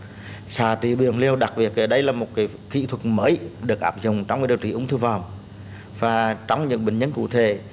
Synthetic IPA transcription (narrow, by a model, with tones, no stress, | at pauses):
saː˧˩t̪ḭ˧˨ɓi˨˩əŋli˧əwɗa˨˩k̚ɓi˨˩ək̚ʔəː˧˩ɗə˧˦jlaː˨˩mo˨˩t̚kaː˨˦j | kḭ˧˨t̪ʰwə˨˩məː˨˦jɗɨ˨˩ək̚ʔaː˨˩p̚zʊ̰˨ŋ͡mt͡ɕɔ˧wŋ͡mkaː˨˦˥ɗwḭ˧˨ʔʊ˨˦ŋ͡mt̪ɨ˧vɔ˨˩m | vaː˨˩t͡ɕɔ˧wŋ͡mɲɨ̰˧˥ŋɓï˨˩ŋ̟ɲə˧˦nkṵ˧˨t̪ʰḛ˧˨